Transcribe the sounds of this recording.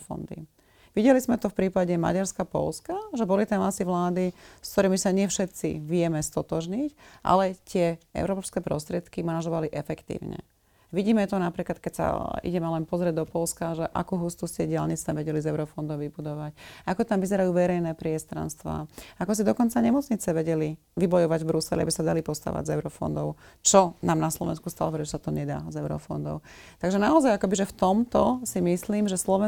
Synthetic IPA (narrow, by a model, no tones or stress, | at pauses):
fɔ̰nd̪ḭ | ʋiɟɛlizmɛt̪ɔfpɾiːpaɟɛma̰ɟaɾskapɔ̰lskaʒɛbɔlit̪ɛnasiʋlaːd̪iskt̪ɔɾiːmisaɲɪɛfʃɛt̪t͡sḭʋɪɛmɛst̪ɔt̪ɔʒɲicʔa̰lɛt̪ɪɛɛ̰ʊɾɔːpskɛpɾɔ̰st̪ɾɪɛt̪kimanaʒɔʋaliʔɛfɛkt̪ḭːʊɲɛ̰ | ʋiɟiːmɛt̪ɔnapɾiːklat̪̚kɛcsa̰ḭɟɛmɛlɛnpɔzɾɪɛɟ̚d̪ɔpɔlskaʒɛʔa̰kuɦuːst̪uscɛɟɪalɲit͡sɲɛʋɛɟɛlizɛʊɾɔfɔnd̪ɔʊʋibud̪ɔʋacakɔt̪amʋizɛɾajuːʋɛɾɛjnɛːpɾɪɛst̪ɾa̰nst̪ʋa̰ːakɔs̬id̪ɔkɔnt͡saɲɛmɔt͡sɲit͡sɛʋɛɟɛli | ʋibɔjɔʋaɟvbɾusɛlḭa̰bisad̪alipɔst̪a̰ːʋa̰ɟzɛʊɾɔfɔ̰nd̪ɔʊt͡ʃɔnaːmnaslɔʋɛ̰nskust̪a̰lɔʋɛɾɛʒɛsat̪ɔɲɛd̪a̰ːzɛʊɾɔ̰fɔ̰nd̪ɔ̰ʊt̪aɡʒɛnaɔzajakɔbiʒɛft̪ɔmt̪ɔsimisliːmʒɛslɔʋɛ